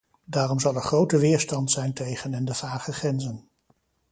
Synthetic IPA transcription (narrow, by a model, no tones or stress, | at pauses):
daːrɔmzɑlˠəɹχrowtəʋɪːɹstɑntsɛjntejχənɛndəvaːχəχrɛnzən